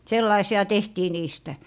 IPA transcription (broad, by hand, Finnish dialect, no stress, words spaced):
selːɑisiɑ tehtiː niːstæ